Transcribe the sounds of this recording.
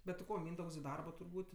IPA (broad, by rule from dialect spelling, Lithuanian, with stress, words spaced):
bʲɛt tʲɪ ˈkoː ˈmʲiːndɐʊks ɪ ˈdɐrboː tʊrˈbuːtʲ